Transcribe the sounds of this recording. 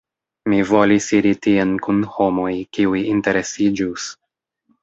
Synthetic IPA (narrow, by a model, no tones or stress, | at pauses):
mivo̞lisiɾitienkunho̞mo̞jkiujinte̞ɾe̞sid͡ʒus